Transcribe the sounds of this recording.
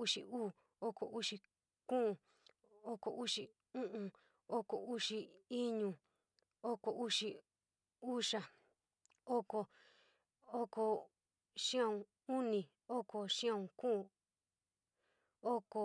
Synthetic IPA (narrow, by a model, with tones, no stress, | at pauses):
u˦ʂḭ˧uː˦˨ | o˦ko˨ʔu˦ʂi˧ | kũ˦˨ | o˦ko˨ʔu˦ʂi˧ | ũ˦ʔũ˧ | o˦ko˨u˦ʂi˧i˦ɲũ˧ | o˦ko˨ʔu˦ʂi˧ | u˦ʂa˨ | o˦ko˧ | o˦ko˧ | ʂĩ˦ã˦˧ũ˧ | u˦nĩ˨ | o˦ko˨ʃĩ˦ã˦˧ũ˧kũ˦˨ | o˦ko˧